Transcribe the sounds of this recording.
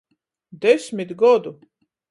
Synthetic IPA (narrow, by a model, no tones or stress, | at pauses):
d̪ɛsmʲit̪ɡɔd̪u